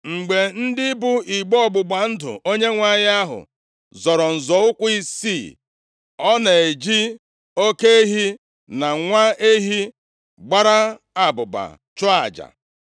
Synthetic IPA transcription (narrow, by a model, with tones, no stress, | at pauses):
ŋ͡m̩˨ɡ͡be˨n̩˦dɪ˦bu˦i˨ɡ͡bɔ˨ɡ͡bʊ˨ɡ͡ba˨n̩˦dʊ̰˨o˦ɲe˦ŋʷa˦ɲ˦a˦ɦʊ̰˨ | zɔ˨ɾɔ˨n̩˨zɔ˨˦ʊ˦kʷi˦si˦˨ | ɔ˦na˨e˨d͡ʒi˦ | o˦ke˦e˦ɦi˦ | na˨ŋʷa˦e˦ɦi˦ | ɡ͡ba˦ɾa˦ | a˨bʊ˨ba̰˨ | t͡ʃɔ˦a̰˨d͡ʒa̰˨